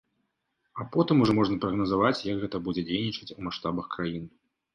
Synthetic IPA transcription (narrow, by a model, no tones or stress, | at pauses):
apɔt̪ɨmuʐɔmɔʐnɐpɾɐɣnɐzavat͡sʲjɐkɣɛt̪ɐbud͡zʲɛd͡zʲejnʲit͡ʂɐt͡sʲumaʂt̪abɐxkɾajin